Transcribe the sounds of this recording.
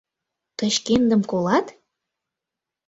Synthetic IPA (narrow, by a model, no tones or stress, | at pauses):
t̪ə̆ʃkend̪ə̆mkolɑt̪